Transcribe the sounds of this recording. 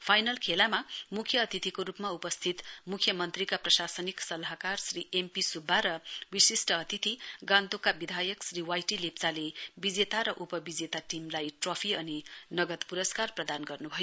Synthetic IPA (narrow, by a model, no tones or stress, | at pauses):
pʰajnʌlkʰelamamukʰjʌːt̪it̪ʰikoɾupmaupʌst̪ʰit̪mukʰjʌmʌnt̪rikaprʌsasʌniksʌlaɦakarsriempisubʱːaɾʌwisisʈʌːt̪it̪ʰiɡãnt̪okabid̪ʱajʌksriwajʈilept͡salebid͡zet̪aɾʌʔupʌbid͡zet̪aʈimlajʈropʰiʌninʌɡʌt̪puɾʌskarprʌd̪anɡʌrnubʱʌjo